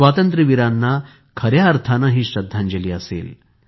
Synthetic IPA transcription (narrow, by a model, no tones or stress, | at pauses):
ʋaːt̪ɐnt̪ɾiʋiɾanːa | kʰɐɾjaɐɾt̪ʰanaɦiɕɐd̪ʱːand͡ʒɐliɐsḛːl